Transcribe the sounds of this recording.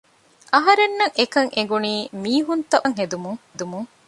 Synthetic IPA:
ʔɐɦɐɾenːɐŋʔekɐŋʔeɡuniːmiːɦunt̪ɐʔɐŋɦed̪umuŋd̪umuŋ

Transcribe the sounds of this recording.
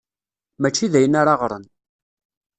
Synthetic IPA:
mæt͡ʃːiðæjənaɾaʁɾˤə̰n

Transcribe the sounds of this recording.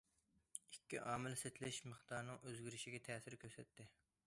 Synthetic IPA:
ikʲːiʔɑːmɪlset̪ʰlɪʃməχt̪ɑɾnɨŋøzɡʲyɾɪʃiɡʲɛt̪ʰɛːsɪɾkʲʰøɾsɛt̪ːɪ

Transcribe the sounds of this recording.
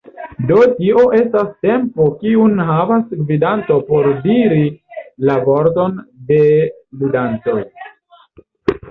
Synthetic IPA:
do̞tio̞ʔe̞staste̞mpo̞kiunɦavasɡvidanto̞po̞ɾdiɾilavo̞ɾto̞nde̞ | ludant͡so̞j

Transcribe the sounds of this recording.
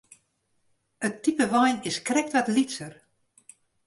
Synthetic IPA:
ətːipəʋɔjnɪskrɛk̚tʋatlitsər

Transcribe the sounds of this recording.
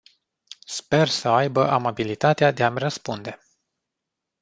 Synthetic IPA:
spe̞rsəajbəʔamabilit̪at̪ead̪e̞amrəspund̪e̞

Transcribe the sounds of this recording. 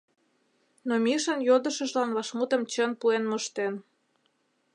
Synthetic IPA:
nomʲiʃə̆njod̪ə̆ʃə̆ʒlɑnβɑʃmut̪ə̆mt͡ɕənpuenməʃt̪en

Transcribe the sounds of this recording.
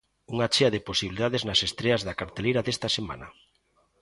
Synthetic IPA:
uŋat͡ʃeaðeposiβiliðaðeznɐsest̪ɾeazðakaɾt̪elejɾɐðest̪ɐsema̰nɐ̰

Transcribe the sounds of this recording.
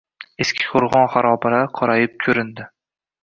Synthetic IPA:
eskʲʰɪ̥qʰoɾʁɒnχaɾɒbɪlaɾqʰɒɾajɪp̚kʲʰɵɾɪnd̪ɪ

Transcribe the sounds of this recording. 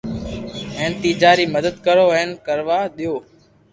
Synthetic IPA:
ɦẽːnt̪iːd͡ʒaːɾiːməd̪əd̪kəɾoːeɪnkəɾʋaːɗɪjoː

